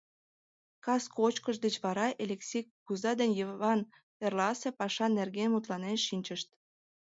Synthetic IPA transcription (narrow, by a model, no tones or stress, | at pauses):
kɑskot͡ɕkəʃ̬d̪et͡ɕβɑɾɑʔelʲeksʲijkkuzɑd̪enʲjəβɑn | perlɑsepɑʃɑnerɡenmut̪lɑnenʃinʲt͡ɕəʃt̪